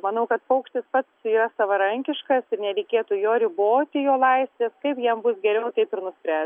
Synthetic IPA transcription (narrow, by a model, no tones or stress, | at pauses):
mɐnɐʊkɐt̪pɐʊkʃʲt̪ʲɪspɐt̪siːɾɐsɐʋɐɾɐŋʲkʲɪʃkɐsɪɾnʲɛɾʲɛɪkʲeːt̪uːjoːɾʲɪboːt̪ʲɪjoːlˠɐɪsʲʋʲeːskɐɪpjiɛmbʊsɡʲɛɾʲɛʊt̪ɐɪpɪɾnʊsʲpʲɾʲæː